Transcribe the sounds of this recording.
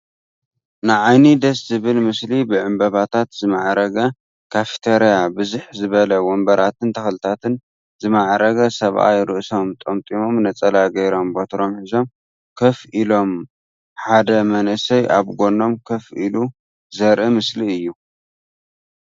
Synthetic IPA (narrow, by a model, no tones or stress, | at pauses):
nɨʕajnid̪ɐszɨβɨlmɨslibɨʕɨmbɐβat̪ʰat̪zɨmaʕɾɐɡɐ | kʰafi̥t̪ʰeɾijabɨzuħzɨβɐlɐwɔmbɐɾat̪ɨnt̪ʰɐxlɨt̪ʰat̪ɨn | zɨmaʕɾɐɡɐsɐβʔa̰jɾɨʔso̞mt̪ʼomt̪ʼimo̞mnɐt͡sʼɐlajɡɐjɾo̞mbot̪ʰɾo̞mħizo̞m | kʰɐfʔilo̞m | ħad̪ɐmɐnʔɨsɐjʔaβɡʷo̞no̞mkʰɐfʔilu | zɐɾʔimɨsliɨjːu